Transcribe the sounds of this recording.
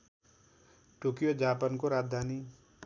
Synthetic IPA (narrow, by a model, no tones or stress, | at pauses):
ʈokijod͡ʒaːpankoɾaːd͡zd̪ʱani